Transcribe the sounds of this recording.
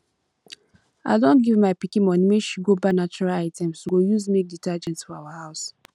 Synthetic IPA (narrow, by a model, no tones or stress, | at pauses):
a̰ɪdõntɡivmaɪpikĩmɔ̃nimeʃiɡobanat͡ʃuɹalaɪtɛ̃msoɡojuzmek̚ditad͡ʒɛ̃ntsfɔawahaʊs